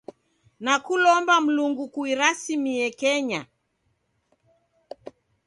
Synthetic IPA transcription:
nakulɔmbam̩luŋɡukuiɾasimiɛkɛɲa

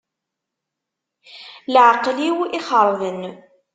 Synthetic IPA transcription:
lʕqliwiχəɾˤðən

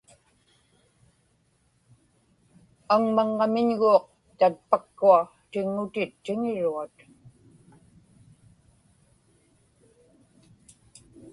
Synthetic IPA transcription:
aŋmaŋːamɪɲɣuːq̚ | t̪at̪̚pakːua | t̪ɪŋːʊt̪ɪt̪ːɪŋɪɻuat̪

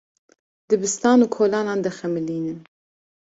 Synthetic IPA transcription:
d̪ɨbɨst̪ɑːnuːkʰoːlɑːnɑːnd̪ɐxɛmɨliːnɨn

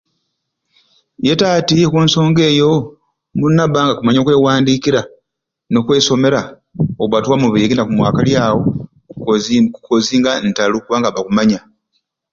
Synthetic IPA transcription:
je̞taːtikuːnso̞ːŋɡe̞ːjo̞ | munːaβaːŋɡakumaɲokwe̞ːwaːndiːkiɾa | no̞kwe̞ːso̞me̞ɾa | okβwatuwamuβiɾinakumwaːkaljaːwo̞ | kukoziːŋɡantalukuβaːŋɡaβakumaɲa

